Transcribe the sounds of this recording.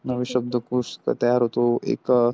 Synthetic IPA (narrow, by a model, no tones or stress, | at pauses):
nəʋiɕəb̚d̪ʱəkuʂkɐ̰t̪ɐjaɾɦot̪oḛk